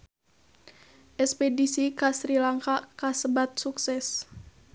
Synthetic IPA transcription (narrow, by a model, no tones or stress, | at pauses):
ʔɛspedisikasɾilaŋkakasəbat̪̚suksɛs